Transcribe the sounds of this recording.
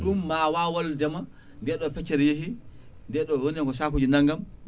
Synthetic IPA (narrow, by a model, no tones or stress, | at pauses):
ɗumːawawɔldɛma | ndɛɗɔfɛt͡ʃːɛɾjeɦindɛɗɔwoniɛŋɡɔsakud͡ʒinaŋɡam